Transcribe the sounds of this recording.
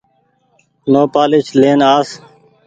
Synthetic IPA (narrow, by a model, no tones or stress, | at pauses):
noːpaːlɪt͡ʃleːnaːs